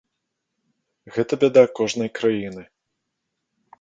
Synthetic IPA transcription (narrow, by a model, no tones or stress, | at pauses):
ɣɛt̪ɐbʲɛd̪ɐkɔʐnɐjkɾajinɨ